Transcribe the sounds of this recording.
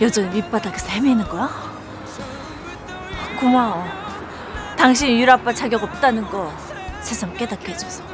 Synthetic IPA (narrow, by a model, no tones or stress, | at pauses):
jʌd͡ʑʌɲimip͈adakes͈ʰehemeinːɯnɡʌjo | kumaʌ | taŋɕ̬ʰinjuɾap͈at͡ɕaɡjʌɡʌp̚t͈anɯnɡʌ | sʰesʰaŋk͈e̞dak͈ed͡ʑʌs͈ʌ̥